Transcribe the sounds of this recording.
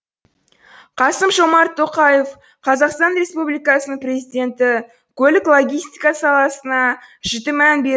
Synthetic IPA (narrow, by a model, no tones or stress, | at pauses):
qʰɑsəmʒo̞mɑɾt̪ʰːo̞qɑje̞f | qʰɑzɑqst̪ɑnɾʲe̞spublijkɑsənəɴpɾʲe̞zijd̪ʲe̞nt̪ɪ | kʲʰɵlɪklˠo̞ɡʲijst̪i̥kɑsɑlˠɑsənɑʒɪt̪ɪmænbeɾ